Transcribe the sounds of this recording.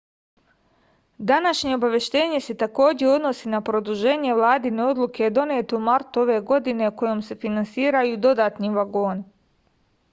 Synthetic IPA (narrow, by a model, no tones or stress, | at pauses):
d̪anaʃɲe̞obaʋje̞ʃt̪e̞ːɲe̞se̞t̪ako̞ːd͡ʑe̞o̞d̪no̞sinapɾo̞d̪uʒe̞ːɲe̞ʋlˠaːd̪ineo̞d̪lˠuked̪o̞ne̞ːt̪eumaɾt̪uo̞ʋe̞ːɡo̞d̪ine̞uko̞jomse̞finansiːɾajuːd̪o̞d̪aːt̪niʋaɡo̞ːn